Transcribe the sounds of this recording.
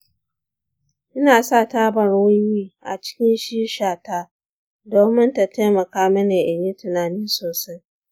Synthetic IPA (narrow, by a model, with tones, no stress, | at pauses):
ʔɪ˦naː˨sa˦˨taː˦bɐ˨ɾwʊ˦wiː˦ʔa̰˨t͡ʃɪ̥˦kʲɪ˦nʃiː˦ʃaː˨taː˦ | doː˨mɪ˦nta˨tʰeː˦mɐ˨kaː˦mɐ˦neː˨ʔa˨ɲji˦tʊ˨naː˨nɪ˦nsoː˨sa˦j